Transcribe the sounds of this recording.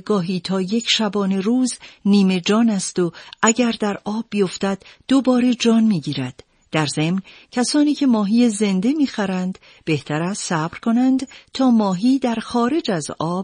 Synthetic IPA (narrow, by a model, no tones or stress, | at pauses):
ɡɒːɦiːt̪ʰɒːje̞cʰʃæbɒːne̞ɾuːzniːme̞d͡ʒɒːnæst̪o̞ʔæɟæɾd̪æɾɒːbːijo̞ft̪æd̪̥d̪̥obɒːɾe̞d͡ʒɒːnmiːɟiːɾæ̰d̪̥ː | æɾze̞mncʰæsɒːniːcʰe̞mɒːɦiːje̞ze̞nd̪e̞miːxæɾænd̪ | b̥e̞ht̪ʰæɾæssæb̥ɾkʰo̞nænd̪̥t̪ʰɒːmɒːɦiːd̪æɾxɒːɾe̞d͡ʒæzɒːb̚